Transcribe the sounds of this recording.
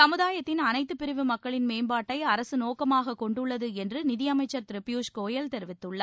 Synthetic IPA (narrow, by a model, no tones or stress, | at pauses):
sɐmɯðaːjɐt̪ːɪnɐnɐɪt̪ːɯpɪɾɪʋɯmɐkːɐɭɪnmeːmbaːʈːɐɪɐɾɐsɯnoːkɐmaːɣɐkɔɳɖɯɭːɐðɯɛndrɯnɪðɪjɐmɐɪt͡ʃːɐɾt̪ɪɾɪpjuːʂkoːjɐlt̪ɛɾɪʋɪt̪ːɯɭːɐ